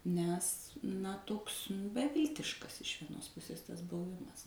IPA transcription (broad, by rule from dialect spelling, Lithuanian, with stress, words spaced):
nʲɛs nɐ ˈtoːks bʲɛˈʋʲɪlʲtʲɪʃkɐs ɪʃ ʋʲiɛˈnoːs ˈpʊsʲeːs ˈtɐs bʊˈʋʲɪmɐs